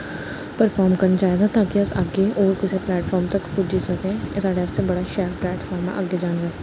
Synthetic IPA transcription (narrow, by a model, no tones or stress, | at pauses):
pəɾfʰɔːɾmkɐɾnat͡ʃaːɦeɡat̪aːkiɐsɐɡeʔɔːɾkɪseplɛːʈfɔːɾmt̪ɐkpʊd͡ʒisɐkẽsaːɽeɐst̪ʰebɐɽaʃɛːɾplɛːʈfʰɔːɾmḛ̃ʔɐɡːed͡ʒaːnd͡ʒast̪ː